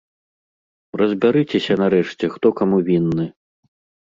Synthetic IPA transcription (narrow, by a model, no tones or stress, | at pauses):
rɐzʲbʲaɾɨt͡sʲɛsʲɐnɐɾɛʂt͡sʲɛxt̪ɔkamuvʲinːɨ